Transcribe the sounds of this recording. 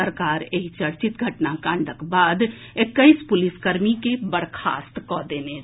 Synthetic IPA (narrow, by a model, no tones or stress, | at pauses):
əɾkaːɾeɦit͡ʃəɽt͡ʃit̪ɡʱəʈnakãɳɖʱəkbaːd̪ | ekːəɪspʊlɪskəɾmikebəɽ̤kʰa̰ːst̪kɔd̪eːne